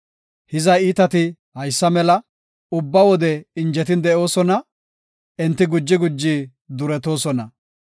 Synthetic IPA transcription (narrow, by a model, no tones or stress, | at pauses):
hɪzɐjiːt̪ɐt̪ɪ | hɐjsːɐmɛlɐ | ʊbːɐwɔd̪ɛɪnd͡ʒɛt̪ɪnd̪ɛʔo̞ːsɔnɐ | ʔɛnt̪ːɪɡʊd͡ʒːɪɡʊd͡ʒːi | d̪ʊɾɛt̪o̞ːsɔnɐ̰